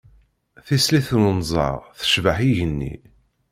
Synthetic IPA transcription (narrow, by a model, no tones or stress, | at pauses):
θisliθnənzˤɑ̰ʁθə̥ʃvəħiʝənːḭ